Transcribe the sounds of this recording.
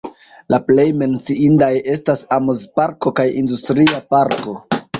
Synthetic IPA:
laple̞jme̞nt͡siindaje̞stasamozpaɾko̞kajindustɾiapaɾko̞

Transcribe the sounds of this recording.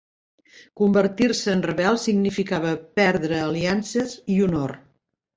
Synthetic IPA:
kumbəɾt̪iɾsəːnrəβɛlˠsiɡnifikaβəpɛɾðɾəːliansəziunor

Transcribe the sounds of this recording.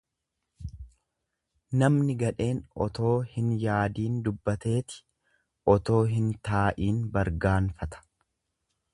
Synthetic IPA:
nɐmnɪɡɐᶑe̞ːnɔ̰t̪o̞ːhɪnjaːd̪iːnd̪ʊbːɐt̪e̞ːt̪ɪ̥ | ʔɔt̪o̞ːɦɪnt̪aːʔiːnbɐɾɡaːnfɐt̪ɐ̥

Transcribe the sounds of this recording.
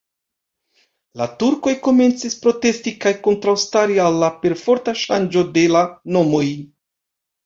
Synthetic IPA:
latuɾko̞jko̞me̞nt͡sispɾo̞te̞stikajko̞ntɾawstaɾialːape̞ɾfo̞ɾtaʃand͡ʒo̞de̞lano̞mo̞j

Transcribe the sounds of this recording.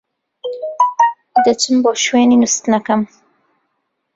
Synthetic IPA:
d̪ɐt͡ʃɨmboːʃweːninust̪nɐkɐm

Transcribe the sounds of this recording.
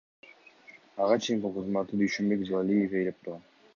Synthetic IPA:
ɑʁɑt͡ʃʰejiŋkulˠqʰəzmɑt̪ːɯd̪yjʃømbe̞kzˠalʲijefejlʲep̚t̪uɾʁɑn

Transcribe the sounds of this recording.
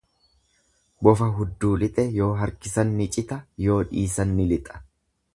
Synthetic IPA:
bɔfɐɦʊd̪ːuːlɪt̪ʼɛjo̞ːɦɐɾkɪsɐnːɪt͡ʃʼɪt̪ɐjo̞ːᶑiːsɐnːɪlɪt̪ʼɐ̥

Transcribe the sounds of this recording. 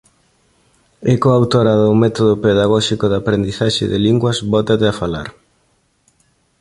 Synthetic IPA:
ekoawt̪oɾɐðʊmɛt̪oðʊpeðaɣɔʃikoðapɾend̪iθaʃɪ̰ðɪliŋɡwɐsβɔt̪at̪eafala̰ɾ

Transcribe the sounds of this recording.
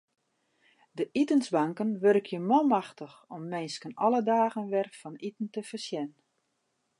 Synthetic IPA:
dəʔitənzbaŋkənʋørkʰjəmɔlˠmaxtəxɔmːɪnskənɔlˠədaːɣənʋɛrfɔnitən̩təfərsjɛn

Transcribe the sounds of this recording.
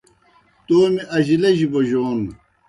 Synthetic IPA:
t̪oːmiʔɐʑilɐʑiboʑoːn

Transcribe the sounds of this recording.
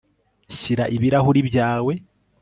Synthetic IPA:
ʃiɾaʔiβiɾahuɾiβjaːwe̞

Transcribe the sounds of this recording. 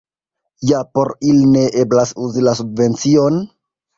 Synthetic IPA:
japo̞ɾiline̞ʔeblasuzilasubve̞nt͡sio̞n

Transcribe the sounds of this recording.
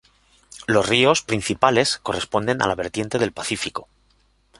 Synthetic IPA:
lo̞zrio̞spɾinθipale̞sko̞respond̪e̞na̰laβ̞e̞ɾt̪je̞nt̪e̞ð̞e̞lpaθifiko

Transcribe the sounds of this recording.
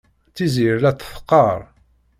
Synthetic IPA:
t͡sːiziɾlæt̪ːə̥fqːɑɾˤ

